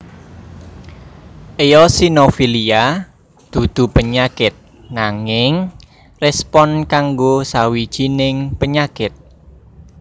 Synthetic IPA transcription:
ʔejɔsinofilia | d̪̥ṳd̪̥ṳpəɲakɪt̪̚ | naŋɪŋ | rɛspɔnkaŋɡosawid̥ʒ̥inɪŋpəɲakɪt̪̚

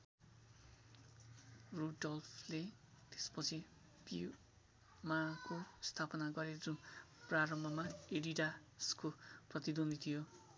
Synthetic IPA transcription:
ruɖʌlpʰlet̪e̥spʌt͡sʰi | pi | makost̪ʰapʌnaɡʌɾed͡zunpraɾʌmbʱʌmaeɾiɖa | skoprʌt̪id̪ond̪it̪ʰijo

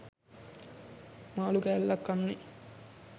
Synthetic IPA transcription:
maːluɡæːlːɐkːɐnːi

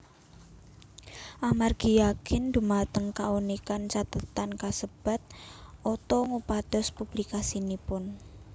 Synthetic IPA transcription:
ʔamarɡ̥ijakɪnd̪̥ṳmat̪əŋkaunikant͡ʃat̪ət̪ankasəb̥a̤t̪̚ʔot̪ɔŋupad̪̥ɔ̤spub̥likasinipʊn

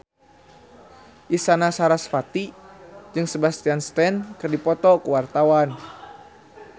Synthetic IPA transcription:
ʔist̪anasaɾasfat̪id͡ʒɨŋsəbast̪ianst̪ɛnkɨrdipɔt̪ɔkuwart̪awan

